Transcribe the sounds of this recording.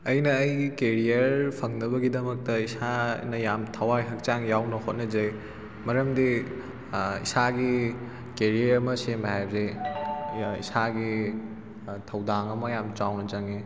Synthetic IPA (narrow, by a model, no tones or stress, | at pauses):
ɐjnɐːjikeɾijɐɾpʰɐŋnɐbɐɡidɐmɐk̚tɐisanɐjamtʰɐwajɦɐk̚t͡ʃaŋjawnɐhot̚nɐd͡ʒɐj | mɐɾɐmdi | ḭsaɡi | keɾijɐɾɐmɐsembɐɦajbze | ḭsaɡi | tʰɐwdaŋɐmɐjamt͡ʃawnɐd͡ʒɐŋe